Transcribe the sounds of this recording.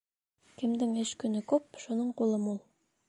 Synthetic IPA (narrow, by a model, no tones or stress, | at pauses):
kʲʰɪ̆md̪ɪŋɘʃkʲɵnɘkɵp̚ʃunɤɴqolˠəmulˠ